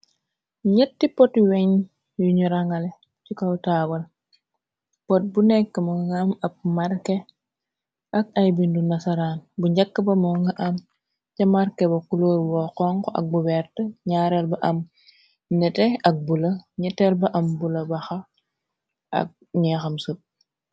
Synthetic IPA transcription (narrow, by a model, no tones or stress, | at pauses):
ɲɛtːipɔtwɛɲ | juɲuɾɐŋɐlɛ | cikɔwtaːwɐl | pɔt̚bunɛkːɐmɐŋɡɐmɐp̚mɐrkɛ | ʔɐk̚ɐjbindunɐsɐɾanbuɲɟɐkːɐbɐmɐɡɐʔɐm | cɐmɐɾkɛbɐkuloːɾwɔkɔŋkɔʔɐ̰k̚buwɛrtɐɲaːɾɛlbɐʔɐm | ɲɛtɛɐk̚bulɐɲɛtɛlbɐʔɐmbulɐbɐxɐ | ɐ̰k̚ | ɲɛxɐmsup̚